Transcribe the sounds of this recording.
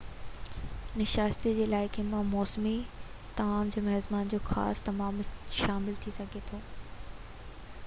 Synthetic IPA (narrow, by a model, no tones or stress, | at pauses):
nɪʃaːst̪id͡ʑeːɪlaːɪkenɪ̆mãmɔːsmi | t̪ɐmaːmd͡ʑoːmɐɦzmaːnd͡ʑoːxa̰ːst̪ɐmaːmʃaːmɪlt̪ʰisɐɡʱet̪ʰoː